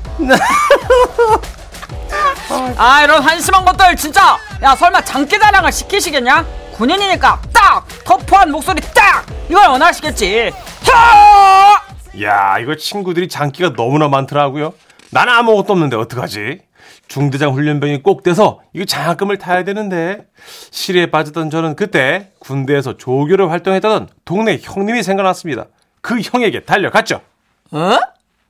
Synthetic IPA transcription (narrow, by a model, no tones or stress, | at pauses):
ne | aiɾʌnɸwanɕʰimanɡʌt͈ɯɭt͡ɕint͡ɕ͈ajasʰʌɭmant͡ɕaŋk͈id͡ʑaɾaŋɯɭɕʰi̥kʰiɕʰiɡenɲakuɲiɲiɲik͈at͈ak̚ | tʌpʰoɦanmok̚s͈oɾit͈ak̚iɡʌɭʌnaɕʰiɡe̞t̚t͡ɕ͈iha | ja̰iɡʌt͡ɕʰinɡudɯɾit͡ɕaŋk͈iɡanʌmunamantʰɯɾʌɡujo | nanɯnamʌɡʌt͈̚oʌmnɯnde̞ʌt͈ɯk͈ad͡ʑḭ | t͡ɕuŋded͡ʑaŋɸuʎːʌnbjʌŋik͈ok̚t͈we̞sʰʌiɡet͡ɕak͈ɯmɯɭtʰajadwe̞nɯnde̞ | ɕʰiɾie̞p͈ad͡ʑʌt͈ʌnd͡ʑʌnɯnkɯt͈e̞kunde̞ːs̬ʰʌt͡ɕoɡjoɾɯɭɸwaɭt͈oŋɦe̞t͈adʌntoŋne̞çʌŋɲimisʰeŋɡahas͈ɯmɲida̰ | kɯçʌŋe̞ɡe̞taʎːʌkat̚t͡ɕ͈o̰